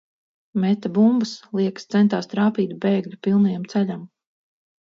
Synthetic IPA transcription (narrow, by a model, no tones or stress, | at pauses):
mɛt̪abumbaslˠiɛkst̪sɛnt̪aːst̪ɾaːpiːt̪beːɡlʲupilˠnajamt̪sɛʎam